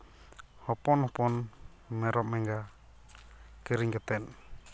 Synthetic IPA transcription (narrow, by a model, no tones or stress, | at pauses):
hɔpɔnhɔpɔn | mɛɾɔp̚mɛŋɡa | kiɾiŋkət̪ɛn